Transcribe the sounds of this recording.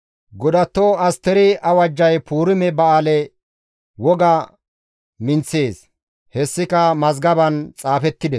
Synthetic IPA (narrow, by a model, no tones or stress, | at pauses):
ɡɔd̪ɐt̪ːoɐst̪ɛɾɪʔɐwɐd͡ʒːɐjpʰuːɾɪmɛbɐaːlɛ | wɔɡɐ | mɪnt͡seːs | hɛsːɪkɐmɐzɡɐbɐnt͡sʼaːfɛt̪ːɪd̪ɛs